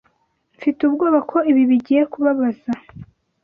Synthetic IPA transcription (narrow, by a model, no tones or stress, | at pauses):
ɱfitubɡoːβakʰo̞iβiβiɟiːje̞kuβaβaz̥a